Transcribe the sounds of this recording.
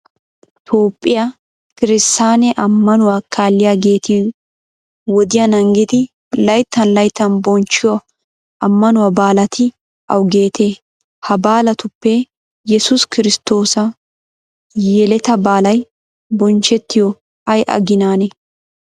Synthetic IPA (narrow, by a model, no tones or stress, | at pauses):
t̪ʰo̞ːpʼːɪjɐ | kɪɾɪst̪aːnɛʔɐmːɐnʊwakʰaːlːɪjaːɡe̞ːt̪i | wɔd̪ɪjɐnɐŋɡɪd̪ɪ | lɐjt̪ːɐnlɐjt̪ːɐnbɔnt͡ʃːɪjɔ | ʔɐmːɐnʊwɐbaːlɐt̪ʰɪ | ʔɐ̰wɡe̞ːt̪ʰeː | hɐbaːlɐt̪ʊpːɛ | jɛsʊskɪɾɪst̪ːo̞ːsɐ | jɛlɛt̪ɐbaːlɐj | bɔnt͡ʃɛt̪ːɪjɔ | ɐjʔɐ̰ɡɪnaːnɛ